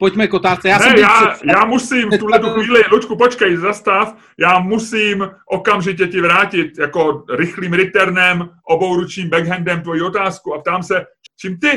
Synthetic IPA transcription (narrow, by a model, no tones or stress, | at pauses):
pocmɛkot̪aːst͡sɛjaːnɛɛjaːjaːmusiːmft̪uɦlɛt̪uxviːlɪlut͡ʃkupo̞t͡ʃkɛjzast̪af | jaːmusiːmʔo̞kamʒɪcɛcɪvɾaːcɪt̪jako̞ɾɪxliːmɾɪt̪ɛɾnɛmʔo̞bo̞wɾut͡ʃɲiːmbɛɡɦɛndɛmt̪vo̞jiːo̞t̪aːskuapt̪aːmsɛ | t͡ʃiːmt̪ɪ